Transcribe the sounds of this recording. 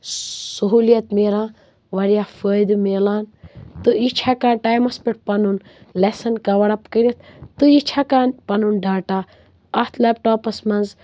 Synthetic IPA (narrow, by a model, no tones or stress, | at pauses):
suɦuːlijɐt̪meːɾãː | ʋɐɾjaːfəjd̪ɨmeːlaːnt̪ɨit͡ʃʰakãːʈaːjmɐspiʈ̚pɐnun | lesɐnkɐʋɐɽɐpkəɾʲɐt̪̚ʰt̪ɨit͡ʃʰakaːnpɐnunɖʱaːʈaː | ɐt̪ʰlɐːp̚ʈoːpɐsmɐnz